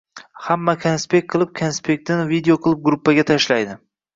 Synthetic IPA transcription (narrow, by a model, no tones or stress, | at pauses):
hamːakʲʰanspek̚ʲqʰɨlˠɪp̚kʲʰanspʰe̞k̚t̪ːɪnvid̪eoqʰɨlˠɪp̚ɡɾʊpːaɡʲat̪ʰaʃlajd̪ɪ